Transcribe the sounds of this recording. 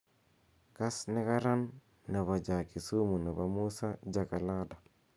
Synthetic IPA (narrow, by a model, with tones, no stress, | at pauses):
ka˦snɪ˦ka˦ɾa˦nː | a˨βa˨d͡ʒa˨ki˨su˦mu˨na˨ba˨mu˦sa˦d͡ʒa˨ka˨la˦da˨